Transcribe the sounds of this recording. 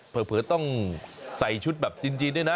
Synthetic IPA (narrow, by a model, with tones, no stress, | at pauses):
pʰɤː˨˩pʰɯː˨˩˦t̪ɔ˥˩ŋsa˨˩jt͡ɕʰu˦˥t̪̚bɛː˨˩p̚t͡ɕi˧nt͡ɕiː˧da˥˩jna˧˦˥